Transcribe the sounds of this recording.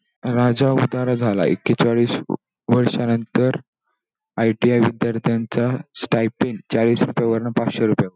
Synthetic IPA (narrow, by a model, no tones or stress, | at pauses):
ɾad͡zaud̪aɾad͡zʱala̰ḛkːet͡saɭiːs | ʋəɾʂanənt̪əɾ | ajʈiaʋid̪aɾt̪ʰjant͡sasʈajpiŋɡt͡ɕaɭiːsɾupjaʋəɾɳəpat͡sɕeɾupjaʋə